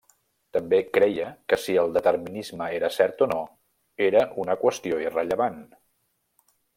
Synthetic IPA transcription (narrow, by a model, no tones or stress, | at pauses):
t̪əmbekɾɛjəkəsiəlˠd̪ət̪əɾminizməeɾəsɛɾt̪ono | eɾəʔunəkwəst̪ioirəʎəβan